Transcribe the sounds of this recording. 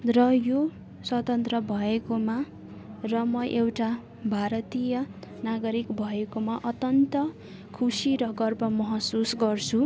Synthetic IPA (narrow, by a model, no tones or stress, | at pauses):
rʌjo | swʌt̪ʌnt̪rʌbʱʌekoma | rʌmʌʔewʈa | bʱaɾʌt̪ijʌnaɡʌɾikbʱʌekomaʔʌt̪jʌnt̪ʌ | kʰusiɾʌɡʌrbʌmʌɦʌsusɡʌrt͡sʰu